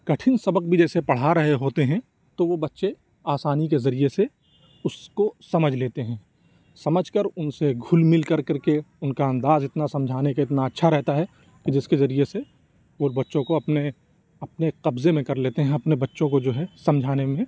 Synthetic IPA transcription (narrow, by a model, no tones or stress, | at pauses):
kɐʈʰɪnsɐbəq̚bʱid͡ʒɛːsepɐɽ̤aɾɐɦeɦoːt̪eɦɛ̃ | t̪oʋobɐtːʃe | aːsaːnik̬ezɐɾiese | ʊskosɐməd͡ʒʱleːt̪eɦɛ̃ː | sɐməd͡ʒʱkəɾʊnseɡʱʊlmɪlkɐɾkɐɾkeʊnkaɐ̃nd̪aːzɪt̪nasɐ̃md͡ʒʱaːnekaɪt̪naɐtːʃʰaɾɛɦt̪aɦɛ | kid͡ʒɪskezɐɾiese | ʋobɐtːʃõkoɐpne | ɐpneqɐbzemẽkɐɾleːt̪eɦɛ̃ɐpnebɐtːʃõkod͡ʒoːɦɛsɐ̃md͡ʒʱaːnemẽ